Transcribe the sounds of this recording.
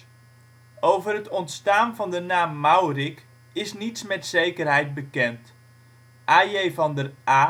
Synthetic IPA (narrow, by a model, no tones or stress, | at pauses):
owvərɦətɔntstaːnvɑndənaːmːawrɪk | ɪsnitsmɛtsejkərɦɛjt̚bəkɛnt | ʔaːjejvɑndərʔaː